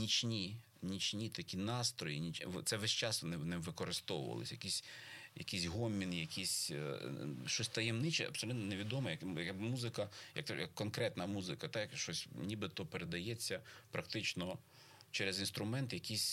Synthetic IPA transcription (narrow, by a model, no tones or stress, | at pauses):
nʲit͡ʃʲnʲi | nʲit͡ʃʲnʲit̪ɐkʲinɑst̪ɾɔjinʲit͡ʃʋt̪sɛʋɛʃt͡ʃɑsʋnɪʋnɪmʋɪkɔɾɪst̪ɔwʊ̰ʋɐ̰lˠɪ̰sʲjɐkʲisʲjɐ̰kisʲɦɔmʲːinjɐkʰʲisʲ | ʃt͡ʃɔsʲt̪ɐjemnɪt͡ʃɛ̰ɐ̰bsɔlʲut̪nɔneʋʲid̪ɔmɐjɐkjmuzɪkɐjɐ̰k̚t̪jɐ̰kːɔnkɾɛt̪nɐmuzɪkɐt̪ɑjɐkʃɔsʲnʲibɪt̪ɔpeɾed̪ɐjɛt͡sʲːɐpɾɐkt̪ɪt͡ʃnɔ | t͡ʃɛɾezinst̪ɾʊmɛnt̪jɐkisʲ